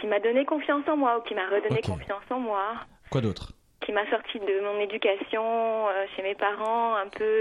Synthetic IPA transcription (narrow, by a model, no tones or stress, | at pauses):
kʲimad̪ɔnekɔ̃fjɑ̃sɑ̃mwaukʲimaʁəd̪ɔnekɔ̃fjɑ̃sɑ̃mwa | kwad̪ot̪χ | kʲʰimasɔʁt̪ʰid̪əmɔ̃ned̪ykʲasjɔ̃øʃemepaʁɑ̃ɛ̃pø